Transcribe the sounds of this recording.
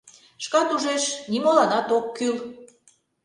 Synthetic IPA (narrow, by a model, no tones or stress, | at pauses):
ʃkɑt̪uʒeʃnimolɑnɑt̪okːyl